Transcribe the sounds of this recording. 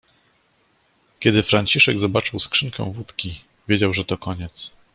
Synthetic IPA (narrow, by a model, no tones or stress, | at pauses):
kʲɛd̪ɘfɾaɲt͡ɕiʂɛɡzɔbat͡ʂɘwskʂɘŋkɛ̰̃w̃vut̪kʲi | vʲjed͡ʑawʐɛt̪ɔkɔɲɛt̪s